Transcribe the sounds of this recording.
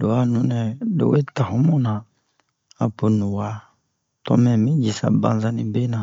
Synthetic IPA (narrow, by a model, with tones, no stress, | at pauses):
do˨wa˦nũ˨˦nɛ˨do̰˨we˦ta˨hu˦mɔ˦nã˨ | a˨pu˨nu˨wa˦ | tɔ̰˦mɛ˨mĩ˦d͡ʒi˨sa̰˨bã˨n˦za˦ni˨be˦nã˨